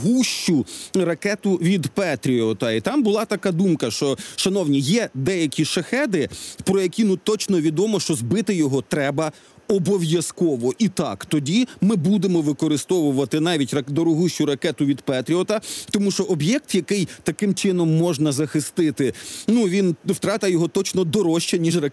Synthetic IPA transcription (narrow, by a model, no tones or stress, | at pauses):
ɦuʃt͡ʃʊɾɐkɛt̪ʊʋʲid̪pɛt̪ɾʲiɔt̪ɐit̪ɑmbʊlˠɑt̪ɐkɑd̪umkɐʃt͡ʃɔʃɐnɔwnʲijɛd̪ɛjɐkʲiʃɐxɛd̪ɪpɾɔjɐkʲinut̪ɔt͡ʃnɔʋʲid̪ɔmɔʃt͡ʃɔzbɪt̪ɪjɔɦɔt̪ɾɛbɐ | ɔbɔʋjɐskɔʋɔʔit̪ɑkt̪ɔdʲimɪbud̪emɔʋɪkɔɾɪst̪ɔʋʊʋɐt̪ɪnɑʋʲitʲrɐd̪ɔɾɔɦuʃt͡ʃʊɾɐkɛt̪ʊʋʲid̪pɛt̪ʲɾʲiɔt̪ɐt̪ɔmuʃt͡ʃɔʔɔbjɛk̚t̪jɐkɪjt̪ɐkɪmt͡ʃɪnɔmːɔʒnɐzɐxɪst̪ɪt̪ɪnuʋʲinwt̪ɾɑt̪ɐjɔɦɔt̪ɔt͡ʃnɔd̪ɔɾɔʃt͡ʃɛnʲiʒrɐ